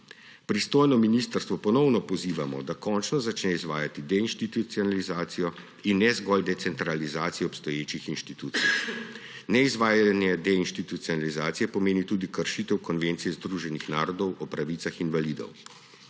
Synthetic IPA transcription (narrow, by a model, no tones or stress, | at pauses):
pɾist̪oːjnɔminiːst̪əɾst̪ʋɔpɔnɔwnɔpɔziːʋamɔ̰d̪akɔnt͡ʃnɔzat͡ʃnɛizʋaːjat̪id̪ɛinʃt̪it̪ut̪siɔnalizaːt̪sijɔ | inːɛzɡɔld̪ɛt̪sɛnt̪ɾalizaːt̪sijɛɔpst̪ɔjeːt͡ʃixinʃt̪it̪uːt̪sij | nɛizʋaːjaanjɛd̪ɛinʃt̪it̪ut̪siɔnalizaːt̪sijɛpɔmeːnit̪uːd̪ikəɾʃiːt̪ɛwkɔnʋeːnt̪sijɛzd̪ɾuːʒɛnixnaːɾɔd̪ɔwʔɔpɾaʋiːt̪saxinʋaliːd̪ɔ̰w